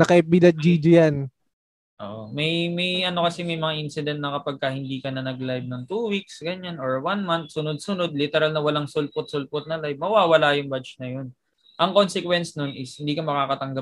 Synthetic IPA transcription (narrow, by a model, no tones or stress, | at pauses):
nɐkɐɛp̚bid̪ɐt̪̚d͡ʒid͡ʒojan | ʔo̰ːʔomɐjmɐjʔɐno̞kɐsɛmɐjmɐŋaʔinsɪd̪ɛnt̪nɐkɐpɐɡ̚kɐhɪnd̪iːkɐnɐnɐɡlajb̚nɐŋt̪uːwik̚sɡɐɲanoɹwanmant̪̚sʊnod̪̚sʊno̞d̪̚lɪt̪ɛɾalnɐwɐlaŋsʊlpʊt̪̚sʊlpʊt̪̚nɐlajbmɐwaːwɐlajʊŋbat͡ʃnɐjo̞n | ʔɐŋkonsɛkwɛnsnonʔɪshɪnd̪iːkɐmɐkaːkɐt̪ɐŋɡa